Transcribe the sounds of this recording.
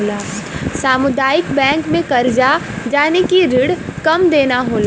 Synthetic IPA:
laːsaːmʊd̪aːjɪkbɛ̃ːŋkmẽkɐɾd͡ʒa | d͡ʒaːnekiɾɪɽkɐmd̪eːnaɦoːlaː

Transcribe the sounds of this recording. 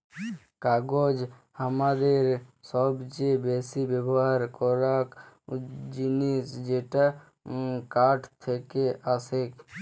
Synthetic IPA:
kaɡod͡ʒ | amad̪eɾsɔbt͡ʃebesibebɔɦaɾkɔɾak | d͡ʒinisd͡ʒeʈa | kaʈt̪ʰekeasek

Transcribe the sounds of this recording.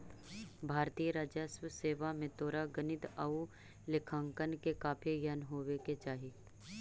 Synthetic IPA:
bʱaːɾt̪iːəɾaːd͡ʒəswəseːʋamẽt̪oːɾaɡɐnɪt̪əu | lɪkʰãːŋkənkekaːpʰijɐnɦoːʋeket͡ʃaːɦi

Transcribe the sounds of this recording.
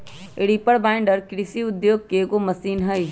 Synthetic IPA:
eɽiːpəɽbãɪɳɖəɾkɾisiʊd̪joːɡ̚keɡomɐsiːnɦɐi

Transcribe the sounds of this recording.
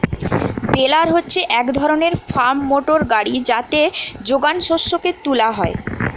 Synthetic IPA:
belaɾɦotːɕʰeʔɛkd̪ʱɔɾoneɾfaɾmːoʈoɾɡaɽid͡ʑat̪ed͡ʑoɡanʃoʃːoket̪ulaɦɔe

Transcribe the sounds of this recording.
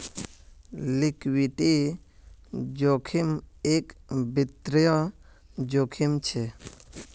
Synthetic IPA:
lɪkwiʈi | d͡ʒokʰimekbit̪ɾjɔ | d͡ʒoːkʰimt͡ʃʰe

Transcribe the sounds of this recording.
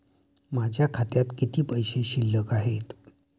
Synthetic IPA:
mad͡ʑʱjakʰat̪jat̪kit̪ʰiːpəjɕeɕilːəkaɦet̪

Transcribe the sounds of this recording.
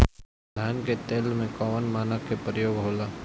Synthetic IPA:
d̪ʱaːnket̪eːlmẽkɔːʋənmaːnəkepɾəjoːɡɦoːlaː

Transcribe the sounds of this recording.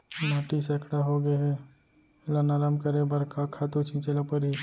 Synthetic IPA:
naːʈisekɽaɦoɡɐɦɛ | ɪlanaɾamkɐɾebɐɾkʰakʰaːt̪ut͡ʃʰĩt͡ʃelapɐɾɦi

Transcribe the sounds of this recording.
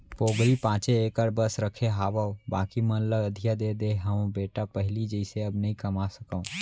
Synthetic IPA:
poːɡɾipãːt͡ʃeeːkəɾbəsɾəkʰeɦaːʋaõbaːkimɐnləɡəd̪ʱijad̪ed̪eːɦɐõbeːʈapəɦɪlid͡ʒɛɪseɐbnɐɦĩkɐmasəkaõ

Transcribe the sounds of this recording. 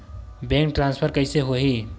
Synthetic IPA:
bẽŋk̚ʈɾãnspʰəɾkəɪseɦoɦi

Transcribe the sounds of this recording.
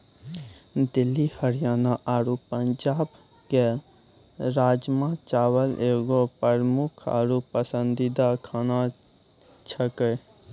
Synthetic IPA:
d̪ɪlːihəɾijaːnaʔaːɾupːəɲd͡ʒaːb | ke | ɾaːd͡ʒmãt͡ʃawəlʔeɡopəɾmukʰa̰ːɾupəsə̃nd̪id̪akʰaːna | t͡ʃʰəkə

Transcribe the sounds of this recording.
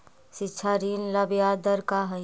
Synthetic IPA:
sɪtːʃʰaɾiːnləbijad̪əɾkaɦə

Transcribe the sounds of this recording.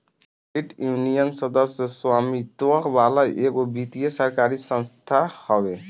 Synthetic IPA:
iʈjuunijɔnsɔd̪ɔsɔswamit̪ɔkbalajʔeɡobit̪ijesɔɾkaɾisɔŋst̪ʰahɔbe

